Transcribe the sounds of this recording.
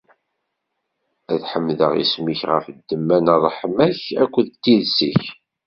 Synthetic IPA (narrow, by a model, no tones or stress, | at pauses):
æðħəmːðəʁḭsmiçʁə̰fd̪ːəmːænərˤħmæçækʷːəðt̪ːiðsḭç